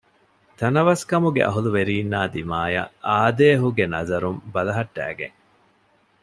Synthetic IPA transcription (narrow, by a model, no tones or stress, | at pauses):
t̪ɐnɐʋɐskɐmuɡḛʔɐ̰ɦuluʋeɾiːnːaːd̪imaːjɐ̰aːd̪eːɦuɡenɐzɐɾumbɐlɐɦɐʈːæ̰ːɡḛŋ